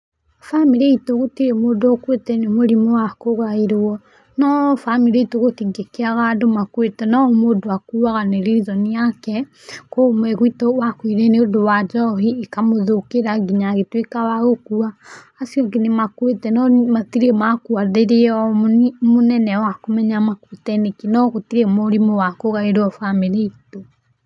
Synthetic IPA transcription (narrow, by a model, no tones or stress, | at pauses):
famiɾeitoɣotiɾemodoɔkwetɛnemoɾimowakoɣaiɾɔ | nɔfamiɾeitoɣotiŋɡekeaɣandomakwetɛnɔmodoakuaɣaneɾiðɔniakɛ | komwɛɣitowakwiɾɛneodowad͡ʒɔɦiːkamoðokeɾaɡiɲaɣetwekawaɣokuaː | siɔɡenemakwetɛnɔmatiɾemakuaðeɾeɔmonɛnɛwakomɛɲamakutɛnekinɔɣotiɾemoɾimowakoɣaeɾɔfamiɾeito